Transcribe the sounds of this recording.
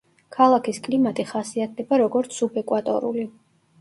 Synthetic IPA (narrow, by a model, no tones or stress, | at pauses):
kʰalˠakʰiskʼlimat̪ʼiχasiat̪̚ʰd̪ɛbaɾɔɡɔɾt̪sʰubɛkʼwat̪ʼɔ̰ɾṵli